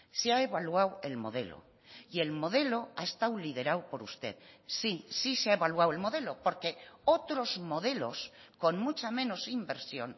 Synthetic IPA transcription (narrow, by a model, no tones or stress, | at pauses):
seaeβalwawe̞lmo̞̰ð̞e̞̰lo̰ | ie̞lmo̞ð̞e̞lo̞ae̞st̪awlið̞e̞ɾawpo̞ɾust̪e̞̰ðsisiseaeβalwawe̞lmo̞ðe̞lopo̞ɾke̞ot̪ɾo̞zmo̞ð̞e̞lo̞sko̞nmut͡ʃamẽ̞no̞simbe̞ɾsjo̞n